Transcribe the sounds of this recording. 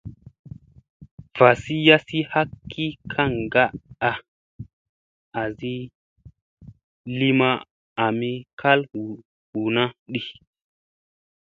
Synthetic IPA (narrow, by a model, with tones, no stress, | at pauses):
v̥a˨si˦ja˦si˦ha˦kːi˦kʰa˦˨ŋɡa˦ʔa˨ | a˨zi˦ | li˦ma˦ | a˨mi˦kʰa˦lu˨ | hu˨na˦ɗi˦˨